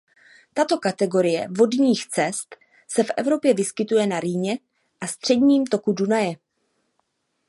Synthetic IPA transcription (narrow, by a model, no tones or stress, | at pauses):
t̪at̪o̞kat̪ɛɡo̞ɾɪjɛ̰vo̞dɲiːxt͡sɛst̪ | sɛfʔɛ̰vɾo̞pjɛvɪskɪt̪ujɛnaɾiːɲɛ | ʔast̪r̝̥ɛdɲiːmt̪o̞kudunajɛ